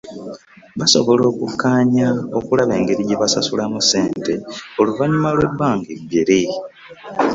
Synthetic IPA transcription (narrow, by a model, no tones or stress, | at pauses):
βaso̞̰βo̞lo̞ːkukːaːɲao̞kulaβe̞ːŋɡeɾiɟeβasasulamuse̞ːnte̞oluvaɲumalwe̞bːaːŋɡiɡeɾi